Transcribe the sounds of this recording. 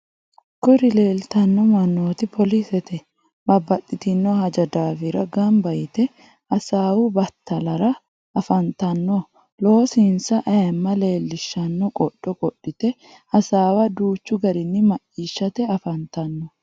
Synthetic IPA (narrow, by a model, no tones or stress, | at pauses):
kʊɾɪle̞ːlt̪ɐnːɔmɐnːoːt̪ɪpʰɔlisɛt̪ʰɛ | bɐbːɐt̪ʼːɪt̪ɪnːɔhɐd͡ʒɐd̪aːfɪɾɐɡɐmbɐjɪt̪ɛ | ʔɐsaːwʊbɐt̪ːɐlɐɾɐ | ʔɐfɐnt̪ɐnːɔ | lo̞ːsinsɐʔɐjɛmːɐle̞ːlːɪʃːɐnːɔkʼɔɗ̥ːɔkʼɔɗːɪt̪ɛ | hɐsaːwɐd̪uːt͡ʃːʊɡɐɾɪnːɪmɐʔiːʃːɐt̪ɛɐfɐnt̪ɐnːɔ